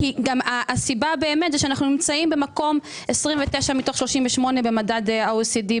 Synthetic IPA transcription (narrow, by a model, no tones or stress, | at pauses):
hiɡamaʔːsibabe̞ːmet̪zɛʃeanaχnunimt͡saimbe̞mako̞m | esʁimveteʃamitoχʃlo̞ʃimveʃmo̞ne̞be̞madadasidi